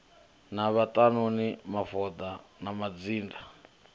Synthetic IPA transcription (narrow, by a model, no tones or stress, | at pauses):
naβatʼanonimafɔd̪anamad͡ziːnda